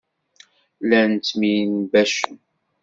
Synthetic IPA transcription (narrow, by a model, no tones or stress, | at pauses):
lænt͡sminbæʃən